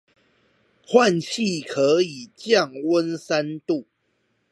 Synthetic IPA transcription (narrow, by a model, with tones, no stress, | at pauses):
xwa˥˨nɕʰi˥˨kʰɤ˨˦i˨˩t͡ɕjɑ˥˨ŋwə˦nsa˦nt̪u˥˨